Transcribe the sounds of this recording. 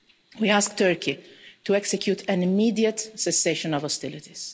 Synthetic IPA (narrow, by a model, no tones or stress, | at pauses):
wiaːsk̚t̪ɜɾkʰit̪uɛksɛkjuːt̪ʰɛ̃nɪmiːd̪iət̪sɛseːʃɔ̃nɔvɔst̪ɪlɪt̪iz̥